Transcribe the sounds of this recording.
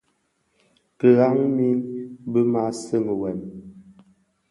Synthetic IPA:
kə˨ɣa˦ŋmi˦nbə˦ma˨˦sə˦˨ŋ˨wɛ˨n

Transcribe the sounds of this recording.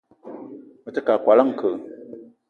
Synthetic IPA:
mɨ˨tɨ˦ka˨kwa˨la˦ŋ̩˨kə˨ʔ

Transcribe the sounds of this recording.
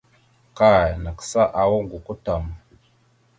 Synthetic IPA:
ka˦˨na˨ksa˦ʔa˨wo˦ŋɡu˨ko˦ta˨m

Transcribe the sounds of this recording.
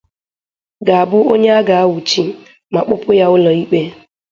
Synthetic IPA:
ɡa˨a˨bʊ˦o˦ɲe˦a˦ɡa˨a˦wʊ˨t͡ʃi˦ | ma˨k͡pʊ˦pʊ˦ja˦ʊ˦lɔ˨i˦k͡pe˦

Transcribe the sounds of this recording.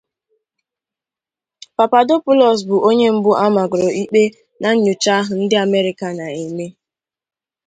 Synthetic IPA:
pa˨pa˨do˦pʊ˦lɔ˨s̬bʊ˨ʔo˦ɲe˦m̩˦bʊ˦ʔa˦ma˨ɡʊ˨ɾo˨i˦k͡pe˦ | na˨ɲ̩˦ɲʊ˨t͡ʃa˦ɦʊ˨n̩˦dɪ˦a˨me˦ɾɪ˨ka˨na˨e˨me˦

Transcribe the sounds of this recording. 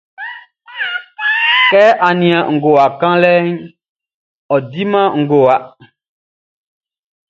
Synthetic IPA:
kɛː˦ʔa˨nĩ˨a˨ŋ̩˨ɡo˨a˨kã˦lɛ˦ɲ | ɔ˨di˦mã˦ŋ̩˨ɡo˨wa˨

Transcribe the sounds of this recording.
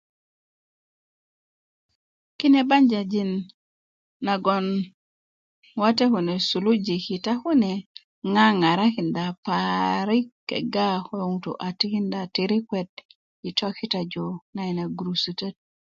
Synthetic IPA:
ki˦ne˦ba˦ɲd͡ʒa˨d͡ʒi˦nː | a˨ɡɔ˨n | wa˦tɛ˦ku˨ne˨su˨lu˦d͡ʒi˨ki˨ta˦ku˦ne˨ | ŋa˦ŋa˨ɾa˦ki˨nda˨paɾi˦kɛ̰˨ɡa˦hwe˦u˨ŋto̰ʔa˨ti˦ki˦nda˨ti˨ɾi˦kwɛ˨d̚ | i˨tɔ˦ki˦ta˨d͡ʒo˨na˦˨i˨na˨ɡɾu˨su˨te˦t̚

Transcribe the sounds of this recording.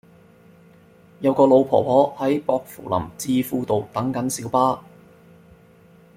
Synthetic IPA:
jɐ˨˧wkɔː˧lo˨˧wpʰɔ̰ː˨˩pʰɔː˨˥hɐ˨˥jpɔː˧k̚fṵ˨˩lɐ̰˨˩mt͡siː˧fuː˧t̪o˨wt̪ɐ˨˥ŋkɐ˨˥nsiː˨˥wpaː˥

